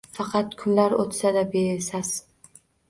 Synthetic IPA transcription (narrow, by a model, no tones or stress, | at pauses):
fɑqʰɑt̪kʰʊnlaɾot̪sad̪abesaz̥